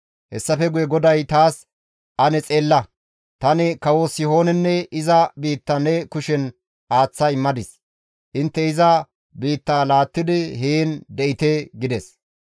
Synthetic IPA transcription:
hɛsːɐfɛɡʊjɛɡɔd̪ɐjt̪aːs | ʔɐnɛt͡sʼe̞ːlːɐ | t̪ɐnɪkɐwosɪho̞ːnɛnːɛɪzɐbiːt̪ːɐnɛkʊʃɛn | ʔaːt͡sːɐɪmːɐd̪ɪs | ʔɪnt̪ːɛɪzɐ | biːt̪ːaːlaːt̪ːɪd̪ɪheːnd̪ɛʔɪt̪eɡɪd̪ɛs

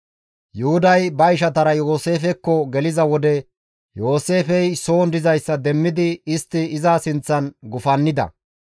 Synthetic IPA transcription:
jʊhʊd̪ɐjbɐɪʃ̬ɐt̪ɐɾɐjo̞ːse̞ːfɛkːɔɡɛlɪzɐwɔd̪ɛ | jo̞ːse̞ːfɛjso̞ːnd̪ɪzɐjsːɐd̪ɛmːɪd̪ɪɪst̪ːɪɪzasɪnt͡sːɐnɡʊfɐnːɪd̪ɐ̰

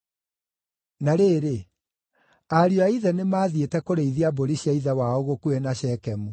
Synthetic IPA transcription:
naɾeːɾe | aɾiɔaiðɛnemaːðietɛkoɾeiðiaboɾiɕjaiðɛwaoɣokuɛnaɕɛkɛmu

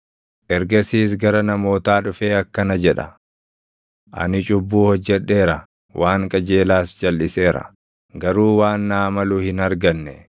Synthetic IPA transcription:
ʔɛɾɡɐsiːs̬ɡɐɾɐnɐmo̞ːt̪aːᶑʊfeːɐkːɐnɐd͡ʒɛᶑɐ̰ | ʔɐ̰nɪt͡ʃʼʊbːuːhɔd͡ʒːɛᶑːe̞ːɾɐ | wʔaːŋkʼɐd͡ʒe̞ːlaːsd͡ʒɐlːɪse̞ːɾɐ̰ | ɡɐɾuːwaːnːaːmɐluːhɪnɐɾɡɐnːɛ

